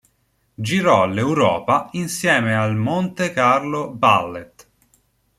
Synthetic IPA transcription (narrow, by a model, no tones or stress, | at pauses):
d͡ʒiɾɔlːewɾɔ̰ːpainsjɛːmealmont̪ekarlobalːet̪